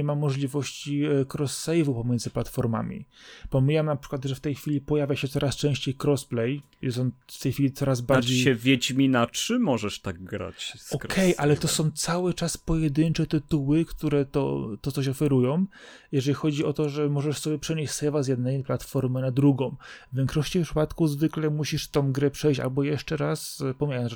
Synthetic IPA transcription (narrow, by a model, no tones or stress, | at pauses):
mamːɔʐlʲivɔɕt͡ɕikɾɔsːɛjvupɔmʲjɛnzɘplat̪fɔɾma̰mʲḭpɔmʲijamnapʂɘ̥kwad̪ʐɛft̪ɛjxfʲilʲipɔjavʲjaɕɛt̪sɔɾast͡ʂɛ̃w̃ɕt͡ɕejkɾɔsplɛj | jɛst̪ɔnft̪ɛjxfʲilʲit̪sɔɾazbaɾɾd͡ʑejɕɛvʲjet͡ɕmʲinat͡ʂɘmɔʐɛʂt̪aɡ̚ɡɾa̰t͡ɕsɔɾkʰɛjʔalɛt̪ɔsɔ̃w̃t̪sawɘt͡ʂaspɔjɛd̪ɘnt͡ʂɛt̪ɘt̪uwɘkt̪uɾɛt̪ɔ̰t̪ɔt̪sɔɕ̬ɔfɛɾujɔ̃w̃ | jɛʐɛlʲixɔd͡ʑiʔɔt̪ɔʐɛmɔʐɛʂsɔbʲjɛpʂɛɲeɕʲsɛvazjɛd̪̚nɛjplat̪fɔɾmɘnad̪ɾuɡɔ̃w̃vvʲjɛŋkʂɔɕt͡ɕifpʂɘ̥pat̪kuzvɘklɛmuɕiʂt̪ɔ̃w̃ɡɾɛpʂɛjɕt͡ɕa̰lbɔjɛʂt͡ʂɛɾaspɔmʲajamʐ